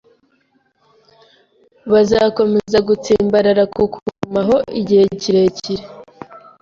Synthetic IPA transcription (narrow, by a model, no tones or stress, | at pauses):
βazaːko̞me̞zaɡut͡siːmbaɾaɾakukʰumaɦo̞ʔiɟihe̞ciɾe̞ciɾe